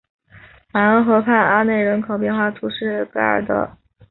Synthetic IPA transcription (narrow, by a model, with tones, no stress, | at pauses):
ma˧˥ə˧˥xɤ˧˥pʰa˥˩na˥ne˥˩ɪɻə˧˥nkʰo˨˩ʊp̬jnxwa˥˩t̪ʰu˧˥ʂɻ̩˥˩kɤ˥ə̰˞˨˩d̪ə̰˦